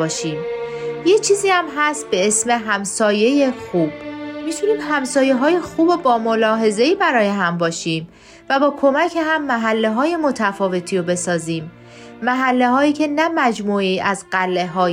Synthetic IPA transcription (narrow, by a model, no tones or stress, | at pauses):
ɒːʃiːmjet͡ʃʰiːziːæmɦæst̪̚be̞esme̞ɦæmsɒːje̞jexuːb̥mit̪ʰuniːmɦæmsɒːje̞ɦɒːjexuːbo̞bɒːmo̞lɒːɦe̞ze̞iːbæɾɒːje̞ɦæmbɒːʃiːm | væbɒːkʰo̞mæcʰeɦæmːæɦælːe̞ɦɒːje̞mo̞t̪ʰæfɒːve̞t̪ʰiːɾobe̞sɒːziːmː | æɦælːe̞ɦɒːiːcʰe̞næmæd͡ʒmuːeiːʔæzɢælːe̞ɦɒːj